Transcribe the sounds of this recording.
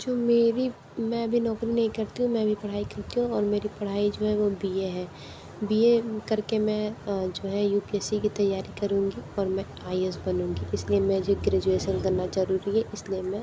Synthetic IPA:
d͡ʒoːmeːɾi | mɛ̃ɐbʱinɔːkɾinɐɦĩkɐɾt̪iɦũmɛ̃bʱipɐɽ̤aːikɐɾt̪iɦũɔːɾmeːɾipɐɽ̤aːid͡ʒoːɦɛʋobieɦɛː | biekɐɾkemɛ̃d͡ʒoːɦɛjuːpiɛsikit̪ɐjːaːɾikɐɾũːŋɡiɔːɾmɛ̃ | aːies̬bɐnũːŋɡiʔɪsliemɛ̃d͡ʒoːɡɾeːd͡ʒueːʃənkɐɾnad͡ʒɐɾuːɾiɦɛʔɪslijemɛ̃

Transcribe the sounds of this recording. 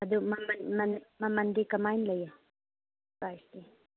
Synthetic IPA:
ɐd̪umɐmɐnmɐnmɐmɐndikɐmajnlɐja | kajsdi

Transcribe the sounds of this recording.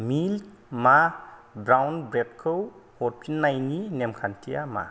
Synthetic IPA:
mil | mabɾawnbɾɛtkʰowfʰɔɾtʰinːajninɛmkʰantʰijama̰

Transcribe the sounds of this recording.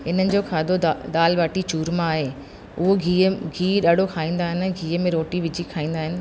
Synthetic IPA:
ɪnənɪ̆d͡ʑoːkʰaːd̪ʱoɗ̪aːlʋaːʈit͡ɕuːɾmãaːɦeː | ʊɦoɡʱiːɡʱiːɗaːɖ̤ʱokʰaːĩːn̆d̪aːɦɪnɪɡʱiːəmẽɾoːʈiʋɪd͡ʑʱikʰaːĩːnd̪aːɦɪnɪ̆

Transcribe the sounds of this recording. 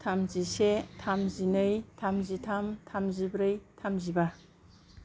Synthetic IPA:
tʰamzisetʰamzinɯjtʰamzitʰamtʰamzibɾɯjtʰamziba

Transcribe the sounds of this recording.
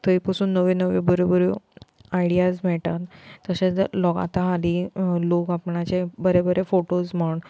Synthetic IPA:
t̪ʰəipəsuːnːəʋẽnəʋebəɾebəɾuaiɽijasmɛɭʈat̪ːəɕet͡slɔɡa̰t̪aɦalilokapɳat͡ɕebəɾebəɾefoʈosm̤əɳ

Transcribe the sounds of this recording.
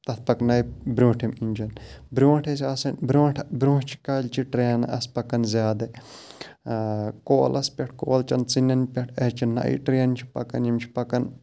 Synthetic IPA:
t̪ɐt̪̚ʰpɐknɐjbɾũːʈʰiminʲt͡ʃɐnbɾũːʈʰesʲasɐnbɾõːʈʰbɾũːʈt͡ʃʰi̥kaːlʲt͡ʃiʈɾeːna̰ʔɐspɐkɐnzʲjaːd̪ɐ | koːlɐspʲɐʈ̚ʰko̰ːlt͡ʃɐnt͡sinɐnpʲɐʈʰɐt͡ʃinːɐ̰ʔḭʈɾiɐnt͡ʃʰi̥pɐ̰kɐ̰njimt͡ʃʰi̥pɐkɐn

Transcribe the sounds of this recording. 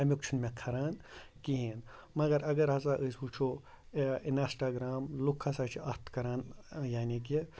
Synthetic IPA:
ɐmʲukt͡ʃʰunmẽkʰɐɾaːn | kiɦiːn | mɐɡɐɾɐɡɐɾɦɐzaʔəsʋut͡ʃʰo | inɐsʈaːɡɾaːmlukʰːasaːt͡ʃʰiʔɐt̪kɐɾaːnjaːniɡ̬i

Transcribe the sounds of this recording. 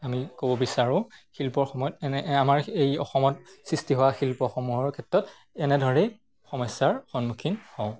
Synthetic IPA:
amikobɔbisaɹʊ̃xilpɔɹxɔmɔjɔtamaɹejɔ̰xɔmɔtsɹistiɦɔwaxilpɔxɔmuɦɔɹkʰɛtːɔt | ɛnɛdʱɔɹɛ | xɔmɔjsːaɹxɔnmukʰinhɔʊ̃

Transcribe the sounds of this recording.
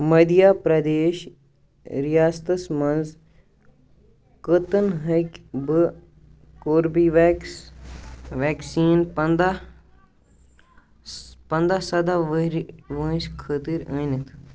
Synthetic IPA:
mɐd̪ijaːpɾɐd̪eːʃ | ɾijaːst̪ɐsmɐnz | kət̪ənɦɐkʲbɨ | koːɾbiʋek | ʋeːksiːnpɐnd̪a | pɐnd̪asɐd̪aʋəɾʋə̃ːskʰət̪iɾəːnit̪ʰ

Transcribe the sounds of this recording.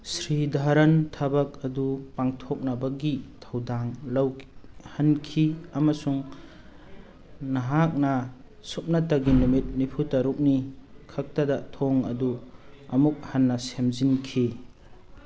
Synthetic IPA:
sɾidʱaɾɐntʰɐbɐk̚ɐdupaŋtʰok̚nɐbɐɡitʰɐwdaŋlɐwhɐnkʰiɐmɐsuŋ | nɐɦak̚nɐ | sup̚nɐtɐɡinumit̚nipʰutɐɾuk̚nikʰɐk̚tɐdɐtʰoŋɐ̰duɐmuk̚hɐnːɐsemzinkʰi

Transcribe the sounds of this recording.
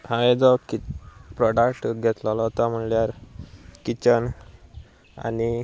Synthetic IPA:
ɦãʋed͡zɔkipɾɔɖəkʈɡʱɛt̪lɔlɔt̪am̤əɳljaɾkit͡ɕən | a̰ni

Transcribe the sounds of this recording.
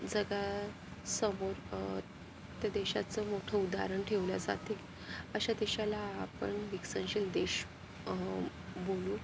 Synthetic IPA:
d͡zəɡa | səmoɾ | t̪ad̪eɕat͡səmoʈʰəud̪a̰ɾəɳʈʰeʋlad͡za̰t̪e | əɕat̪eɕalaːpəɳʋiksənɕild̪eɕ | boluː

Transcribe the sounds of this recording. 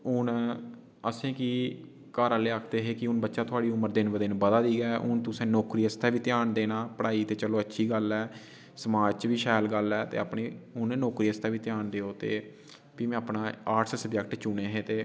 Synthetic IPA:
ʊn | əsẽːkiː | kəɾaleːaːkʰd̪eːɦeːkɪʊnbətːʃaːt̪ʰʊaːɽiːʊməɾd̪ɪnʋəd̪ɪnbəd̪aːd̪iːɡɛːʔʊnt̪ʊsẽːnɔːkɾiːəst̪ɛːʋiːt̪jaːɳd̪eːnaːpəɽaːiːt̪eːt͡ʃəloːətːʃʰiːɡəlɛː | səmaːd͡ʒt͡ʃʋiːʃaːlɡəlɛːt̪ḛːaːpɳiːʊnnɔːkɾiːəst̪aːʋiːt̪ɪjaːɳd̪eːoːt̪ḛː | biːmẽaːpnãːaːʈsəsəbd͡ʒɛk̚ʈt͡ʃʊneːɦeːt̪eː

